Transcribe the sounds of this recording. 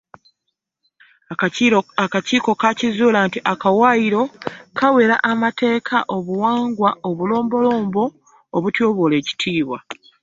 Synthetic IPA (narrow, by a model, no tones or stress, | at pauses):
akaciːko̞kacizuːlantiʔakawaiɾo̞kʰawe̞ɾa̰ʔamate̞ːkʰaʔo̞βuwaːŋɡwaoβulo̞ːmbo̞lo̞ːmbo̞ː | βutjoːβole̞ːci̥tʰiːβwa